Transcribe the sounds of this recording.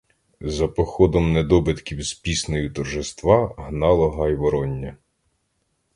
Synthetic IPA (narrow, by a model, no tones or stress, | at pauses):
zɐpɔxɔd̪ɔmned̪ɔbɪt̪kʲiwspʲisnɔjit̪ɔrʒɪst̪ʋɑɦnɑlˠɔɦɐjʋɔɾɔnʲːɐ